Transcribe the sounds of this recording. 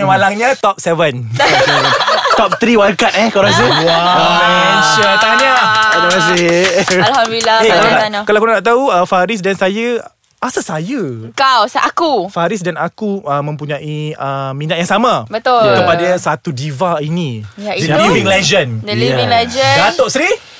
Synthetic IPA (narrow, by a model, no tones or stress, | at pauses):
malaŋɲãt̪ɔp̚sɛvən | t̪ɔp̚t̪ɾiwaɾkat̪̚ɛkaɾas̬uwa | ʃət̪aanɲakədamas̬ɪalhamdduilaekalalakalawkunanaʔt̪̬auəfaɾɪs̬dansajə | asaʔsajəkawsʔakufaɾɪs̬danakuəmə̃mpuɲãʔiəmĩnat̪̚jaŋsamãbət̪ʊlkəpadasat̪udivainĩjaiəliviŋlɛd͡ʒəndəliiŋlɛd͡ʒədat̪oʔsɾi